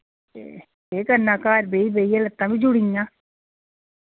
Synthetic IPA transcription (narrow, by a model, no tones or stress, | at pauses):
ḛ | eːkənaːkaːɾbeibeijelət̪ːãːbĩd͡ʒuɽiŋãː